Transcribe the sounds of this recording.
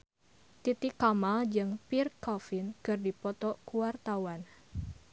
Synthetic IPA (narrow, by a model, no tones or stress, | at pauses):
t̪it̪ɪkːamald͡ʒɨŋpirkɔfɪnkɨrdipɔt̪ɔkuwart̪awan